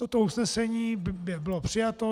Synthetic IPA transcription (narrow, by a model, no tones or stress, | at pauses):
ot̪ousnɛsɛɲiːbɪbɪbɪlopr̥ɪjat̪o̞